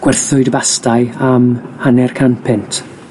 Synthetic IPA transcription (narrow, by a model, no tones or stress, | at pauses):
ɡ̥wɛrθʊɨdbastaɨamhanɛrkʰanpʰɪntʰ